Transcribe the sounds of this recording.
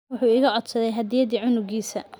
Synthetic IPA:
wʊħuːɪɣɐʕɔd̪sɐðɛjɦɐd̪ɪjɐðiːʕʊnʊɡiːsɐ

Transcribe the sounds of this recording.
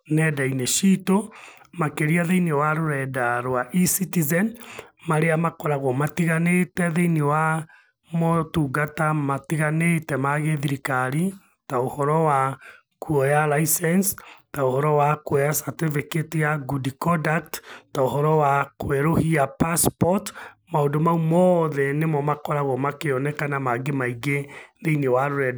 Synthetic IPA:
nɛdaineʃito | makeɾiaðeiniwaɾoɾɛdaɾwaʔisitizɛnmaɾeamakɔɾaɣɔmatiɣanetɛðeiniwa | motuːɡatamatiɣanetɛmaɣeðiɾikaɾi | taohɔɾɔwa | kuɔjalaisɛnstaohɔɾɔwakwɛasateveketijaɡudikɔdak̚ttaohɔɾɔwakoɛɾohiapaspɔtmaondomaumɔðɛnemɔmakɔɾaɣɔmakeɔnɛkanamaɡemaiɡeðeinewaɾoɾɛd

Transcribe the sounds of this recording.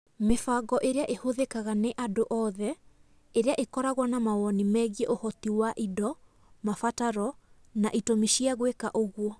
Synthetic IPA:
mefaɡɔʔeɾeaʔehoðekaɣaneʔadoʔɔːðɛ | eɾeaʔekɔɾaɣwanamawɔnimɛɣjeʔohɔtiwaʔidɔ | mafataɾɔ | naʔitomiʃiaɣwekaʔoɣwɔ

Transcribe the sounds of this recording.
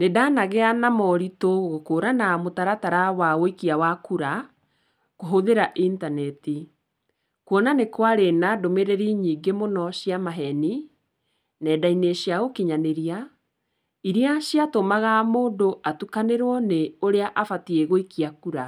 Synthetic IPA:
nedanaɣeanamɔɾitoɣokoːɾanamotaɾataɾawaɣoikiawakuɾa | koɦoðeɾaʔintanɛti | kwɔnanekwaɾenadomeɾeɾiɲiːɡemonɔɕiamaɦɛni | nɛdaineɕjaɣokiɲaneɾia | iɾiaɕiatomaɣamoːndoʔatukaneɾwɔneoɾeaʔafatieɣoikiakuɾa

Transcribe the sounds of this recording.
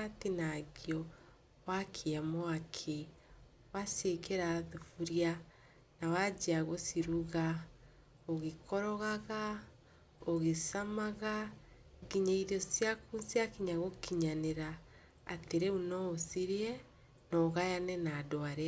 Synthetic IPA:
atinaɡiɔ | wakʰeamɔakʰe | wasekeɾaðufuɾja | nawad͡ʒiaɣosiɾuɣa | oɣekɔɾɔɣaɣa | oɣesamaɣa | ɣiɲaiɾɔsjakunsiakiɲaɣokiɲaneɾa̰ː | teɾeunɔosiɾiɛ | nɔɣajanɛnaːdoaɾɛ

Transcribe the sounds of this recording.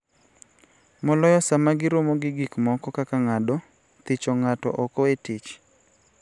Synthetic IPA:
mɔlɔjɔsamaɡɪɾomoɡɪɡikmɔkɔkakaŋadɔ | t̪ɪt͡ʃɔŋatɔ̰ʔɔkɔetɪt͡ʃ

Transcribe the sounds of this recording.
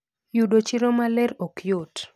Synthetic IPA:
judot͡ʃiɾomalɛɾokjot

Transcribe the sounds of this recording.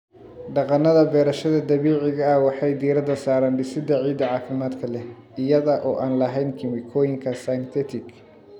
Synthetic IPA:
ɖɑqɑnɐðɐbɛːɾɐʃɐðɐd̪ɐβiːʕɪɣɐːwɑħɑjd̪iːɾɐd̪ɐsaːɾaːnɖɪsɪd̪ɐʕiːd̪ɐʕɑːfɪmaːd̪kʰɐlɛ | ɪjɐðɐʔɔːʔaːnlɐɦɛjnkʰɪmɪkʰɔːjɪŋkʰɐsɐjnt̪ʰɛt̪ʰɪk

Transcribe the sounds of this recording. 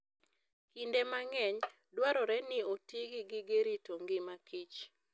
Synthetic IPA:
kindemaŋɛɲ | dwaɾɔɾɛnɪotiɡɪɡɪɡeɾitoŋɡɪmakʰit͡ʃ

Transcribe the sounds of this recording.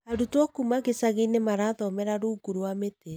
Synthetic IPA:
adutwɔkumaɣesaɣeinemaɾaðɔmɛɾaɾuːɡuɾwamete

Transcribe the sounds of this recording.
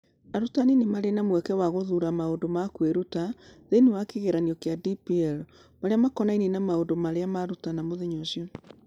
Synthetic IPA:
aɾutaninemaɾenamwɛkɛwaɣoðuːɾamaondomakweɾutaðenewakeɣeɾaniɔkeadipiɛɾ | maɾeamakɔnainenamaondomaɾeamaɾutanamoðeɲoʃiɔ

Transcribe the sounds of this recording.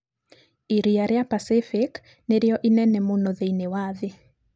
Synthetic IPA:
iɾiaɾeapasɪfɪk | neɾjɔʔinɛnɛmonoðeinewaðe

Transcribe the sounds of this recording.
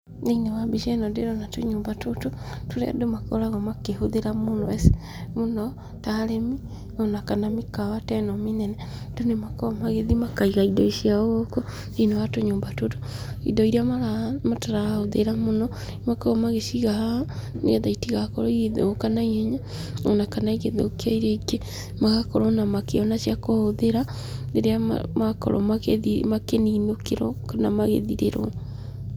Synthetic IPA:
neinewabiʃɛnɔdeɾɔnatoɲoːmbatototoɾɛ̰domako̰ɾaɣɔmakehoðeɾamonɔese̥ | monɔ | taɾemi | ɔnakanamikawatɛnɔminɛnɛ | d̥onemakɔɔmaɣeðimakaiɣaidɔiʃiaɣoko | neinewatoɲoːmbatoto̥ḭdɔiɾiamaamataɾahoðeɾamonɔ | makɔɔmaɣeʃiɣahaneɣɛðaitiɣakɔɾɔiðokanaiɛɲa | onakanaiɣeðo̰okeaiɾeike | maɣakɔɾɔnamakeɔnasjakohoðeɾa | neɾea̰makɔ̰ɾɔ̰makeðimakeniːnokeɾɔ̰kanamaɣḛðiɾḛɾɔ̰

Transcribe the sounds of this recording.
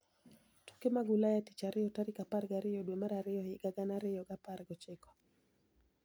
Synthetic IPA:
tu̥kemaɡulajati̥t͡ʃaɾɪjɔtaɾikapaɾɡaɾɪjɔɗwemaɾaɾɪjɔhɪɡaɡanaɾɪjɔɡapaɾɡɔt͡ʃekɔ̥

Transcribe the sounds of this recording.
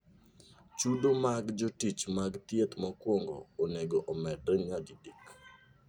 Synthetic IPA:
t͡ʃudomaɡd͡ʒotit͡ʃmaɡt̪jet̪mɔkwɔŋɡo̰ːneɡoʔɔmɛdeŋadidik

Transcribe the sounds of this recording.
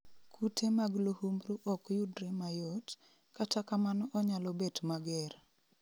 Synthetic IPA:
kʰutʰemaɡlohumɾuʔɔkjudɾemajɔt | katakamanɔʔɔɲalɔbetmaɡɛr

